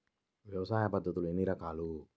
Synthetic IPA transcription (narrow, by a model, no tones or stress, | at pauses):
ʋjɐʋɐsaːjɐpɐd̪ʱːɐt̪uluenːiɾɐkaːlu